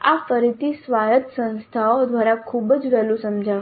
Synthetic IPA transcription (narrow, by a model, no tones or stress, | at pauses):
a̰fəɾit̪iːsʋaɾət̪sə̃w̃st̪ʰad̪ʋaɾakʰuːbət͡sʋɛlusəmd͡ʑʱaʋ